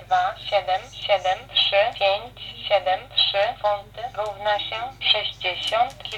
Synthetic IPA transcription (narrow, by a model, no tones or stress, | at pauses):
d̪vaɕɛd̪ɛmɕɛd̪ɛmtʂɘpʲjeɲt͡ɕɕɛd̪ɛmtʂɘfɔnt̪ɘɾuvnaɕɛʂɛʑd͡ʑeɕɔnt̪ʲ